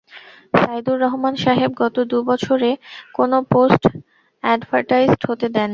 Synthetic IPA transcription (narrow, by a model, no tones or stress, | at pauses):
sajd̪uɾːɔɦomanʃaɦebɡɔt̪od̪ubɔt͡ɕʰoɾekonoposʈ | ɛɖvʱaɾʈajzʈhot̪ed̪ɛn